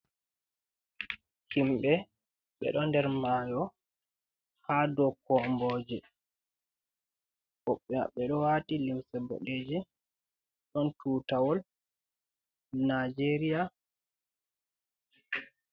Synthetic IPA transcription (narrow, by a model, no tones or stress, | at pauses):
himɓɛ | ɓɛ̰ɗɔndɛɾmaːjɔ | hadɔkɔmbɔːd͡ʒɛ | ʔɔɓːɛa̰ɓɛɗɔwatilimsɛbɔ̰ɗed͡ʒɛ | ɗɔntuːtawɔl | nad͡ʒeɾija